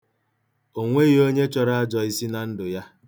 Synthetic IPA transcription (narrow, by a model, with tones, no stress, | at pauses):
o˦ŋʷe˦ɣi˨o˦ɲe˦t͡ʃɔ˨ɾa˦a˦d͡ʒɔ˨i˦si˦na˨n̩˦dʊ˨ja˦